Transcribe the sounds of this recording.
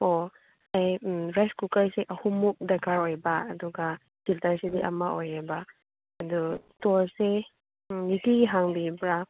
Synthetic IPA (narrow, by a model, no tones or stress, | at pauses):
o | ajɾajskukaɹseʔahumuk̚dakaɾɔjbaːduɡa | ɡ̥iltaɹsediʔa̰maʔojabaː | dutɔɹse | nitiɡiɦaŋbibɾa